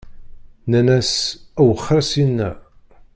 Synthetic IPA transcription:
nænæsæwəχːɾˤæsinːæ̰

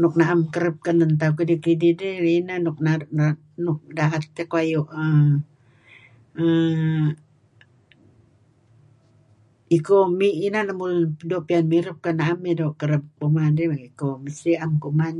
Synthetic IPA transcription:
nʊk̚naʔamkəɾəp̚kənənt̪̬akidikidideinanʊk̚na | nʊk̚daɦat̪ːekoajoʔə | ə | ikomiʔinanamudoʔpianmiɾəp̚kanaʔamedoʔkəɾəp̚kumadeikoməsiʔamkuʔman

